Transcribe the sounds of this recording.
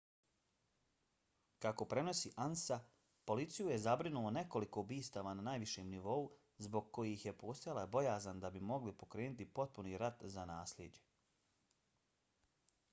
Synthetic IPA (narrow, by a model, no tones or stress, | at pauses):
kako̞pɾe̞no̞siːʔansa | po̞lit̪sijuje̞zabɾinulone̞ko̞liko̞ubiːst̪aʋananaːjʋiʃeːmniʋo̞u | zbo̞ɡ̚ko̞jixje̞po̞ːst̪ajalabo̞jaːzand̪abimo̞ɡlipo̞kɾe̞ːnut̪ipo̞t̪̚puniːɾat̪zanaːslʲjeːd͡ʑe̞